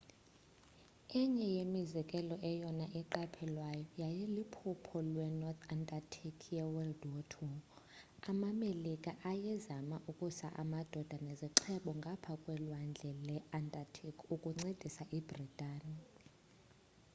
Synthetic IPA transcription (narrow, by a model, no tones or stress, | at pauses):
ɛɲɛjemizɛkʼɛlɔʔɛjɔnaʔɛǃapʰɛlwajɔjajɛlupʰupʰɔlwɛnɔt̪ʰandʼatʰikʰjɛwɛldotʰu | amamelikʼaʔajɛzamaʔukʼusa̰ʔa̰mad̥ʱɔd̥ʱanɛziǁʰɛɓɔŋɡʱapʰakʼwɛlwand͡ɮʱɛlɛandʼatʰikʰukʼuŋ͡ǀed̥ʱisaʔib̥ritʼaːni